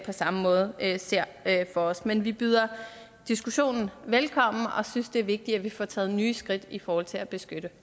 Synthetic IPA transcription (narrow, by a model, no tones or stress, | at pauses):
pʰɒ̽sɑ̈məmɔ̽ːð̞̩ˠse̝ɐ̰fɒ̽ɒ̽smenʋib̥yːð̞ˠɐ | d̥isɡ̥uɕo̝̰ːnn̩ʋelkʰɒ̽m̰n̩ɒ̽synsd̥e̝æɐʋe̝ɡ̥̚d̥iæʋifɒt͡sʰɛ̰ːð̞̩ˠnyːsɡ̥ʁid̥ifɒːhɒ̽l̰t͡sʰe̝læb̥e̝sɡ̥ød̥ə